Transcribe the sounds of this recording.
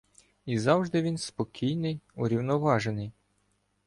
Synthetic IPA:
izɑwʒd̪ɪʋʲinspɔkʲijnɪjuɾʲiwnɔʋɑʒenɪj

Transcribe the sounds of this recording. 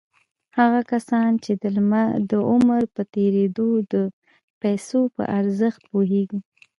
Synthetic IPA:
haɣakasɑnt͡ʃed̪əlmad̪əʊmɾpət̪eɾed̪od̪ə | pajsopə̰ʔaɾzəxt̪̚poɦeɡi

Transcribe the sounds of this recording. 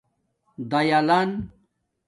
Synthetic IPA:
d̪ɐjalan

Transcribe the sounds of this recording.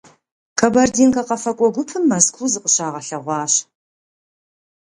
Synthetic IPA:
kʰɐbɐrdiːnkʼɐqɐfɐkʷʼɔɡʷʊpʰɨmːɐskʷʰuzɨqʼəɕaːʁɐɬɐʁʷɑːɕ

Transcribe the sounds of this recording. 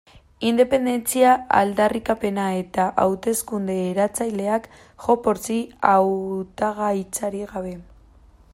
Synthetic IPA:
ind̪e̞pe̞nd̪e̞nt͡siaa̰ld̪arikape̞nae̞t̪aʔawt̪e̞skund̪e̞ːɾat͡sajle̞ak | ʝo̞po̞ɾt͡siawt̪aɣajt͡saɾiɣaβ̞e̞

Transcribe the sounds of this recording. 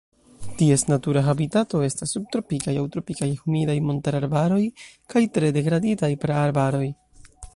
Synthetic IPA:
tie̞snatuɾaɦabitato̞e̞stasːub̚tɾo̞pikajawtɾo̞pikajhumidajmontaɾaɾbaɾo̞jkajtɾe̞de̞ɡɾaditajpɾeaɾbaɾo̞j

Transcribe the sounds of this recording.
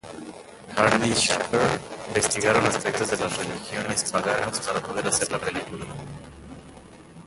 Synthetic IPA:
haɾniʃapeɾimbest̪iɣaɾonaspek̚t̪ozðelasrelixjo̞ne̞spaɣanaspaɾapo̞ð̞eɾaseɾlapelikula

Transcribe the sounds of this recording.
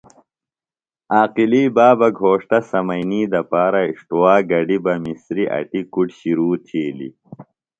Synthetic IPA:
aːqiliːbaːbɐɡʱoːʂt̪ɐsɐmɐjniːd̪ɐpaːɾɐiʂʈuwaːɡɐɖibɐmisɾiʔɐ̰ʈikuʈɕiɾuːt̪ʰiːlḭ

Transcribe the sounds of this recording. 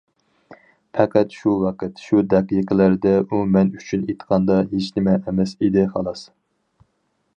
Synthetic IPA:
fʰɛqʰæt̪ʃuwɑqət̪ʃud̪ɛqijqʰəlæɾd̪ɛʔumɛnyt͡ʃʰynet̪qʰɑnd̪ɑɦet͡ʃnɪmɛʔːmɛsid̪ɪχɑlˠɑs

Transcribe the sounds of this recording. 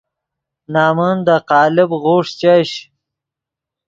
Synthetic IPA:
nɑːmund̪əqɑːlɪbɣoːʂt͡ɕaːɕ

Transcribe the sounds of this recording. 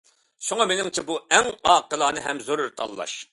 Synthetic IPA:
ʃuŋɑmenɪŋt͡ʃʰɛbuɛŋɑːqəlˠɑːnɨɦɛmzoɾʊɾt̪ʰɑ̰lˠːɑ̰ʃ

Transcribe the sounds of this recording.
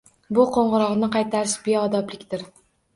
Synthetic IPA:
bʊqʰoɴʁɨɾɒʁnɪqʰɑjt̪ʰaɾɪsbeɒd̪ɒblɪkʲt̪ɪɾ

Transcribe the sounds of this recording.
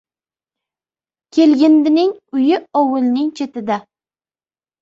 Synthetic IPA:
kʲʰe̞lɡʲɪnd̪ɪnɪŋʊjɪɒwʊlˠnɪŋt͡ʃʰe̞t̪ɪd̪a

